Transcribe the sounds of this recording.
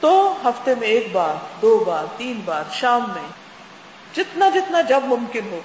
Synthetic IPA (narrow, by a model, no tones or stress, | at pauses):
t̪oɦɐft̪emẽeːkbaːɾd̪oːbaːɾt̪iːnbaːɾʃaːmːẽ | d͡ʒɪt̪nad͡ʒɪt̪nad͡ʒɐbmʊ̃mkɪnɦoː